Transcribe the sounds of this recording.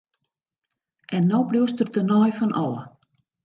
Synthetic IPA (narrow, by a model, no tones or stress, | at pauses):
ʔɛnːobliwstətənɔjfɔnʔɔːə